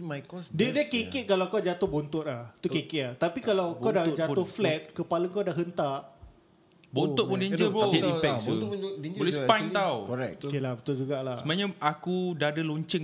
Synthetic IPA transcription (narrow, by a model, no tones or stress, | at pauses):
majkɔsdiədəkeket̪̚kalawkad͡ʒat̪ʊhbont̪ʊt̪̚laht̪ukekɪʔ̚lat̪apikalawkadad͡ʒaʊhflɛt̪̚kəpaləŋkawdaʔɦənt̪aʔ | bonʊʔ̚pundiɲd͡ʒəboɛipɛoʊeolɛspant̪awkoɾɛkokelabət̪ʊld͡ʒuɡaʔlasəmaɲãakudadəloɲt͡ʃəŋ